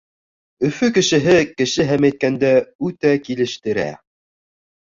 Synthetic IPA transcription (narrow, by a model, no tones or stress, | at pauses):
ɵ̆fɵkɘ̆ʃɘ̆ɦɘkɘ̆ʃɘɦæmæjt̪̚kænd̪æʉt̪ækilɘ̆ʃt̪ɘ̆ɾæ̰